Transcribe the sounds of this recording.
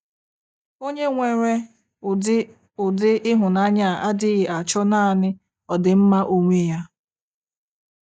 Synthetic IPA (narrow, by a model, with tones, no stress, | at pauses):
o˦ɲe˦ŋʷe˨ɾe˦ | ʊ˨dɪ˦ʔɪ˦ɦʊ˨na˦ɲa˦˨a˦dɪ˦ɣɪ˨ʔa˨t͡ʃɔ˦naː˦˨nɪ˦ | ɔ˨dɪ˨m̩˦ma˦ʔo˦ŋʷe˦ja˦